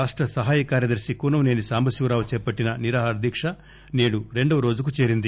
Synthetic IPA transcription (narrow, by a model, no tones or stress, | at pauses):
aːʂʈɾɐsɐɦaːjɐkaːɾjɐd̪ɐɾsikuːnɐmne̞ːnisaːmbʱɐsuːɾaːʋut͡ʃɛːpɐʈːinɐniɾaːɦaɾɐd̪ʱikʂɐ | neːɽuɾe̞ɳɖɐʋɐɾo̞ːd͡ʒukut͡ʃeːɾind̪i